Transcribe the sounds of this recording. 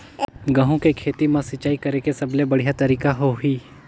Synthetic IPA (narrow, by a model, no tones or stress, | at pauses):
ɡɐɦõkekʰeːt̪imãsɪt͡ʃaːikɐɾekesɐblebɐɽ̤ijat̪ɐɾiːkaɦoɦiː